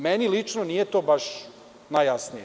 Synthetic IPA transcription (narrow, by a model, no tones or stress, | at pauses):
menilit͡ʂnonijet̪o̞ːbaʃ | najjasnije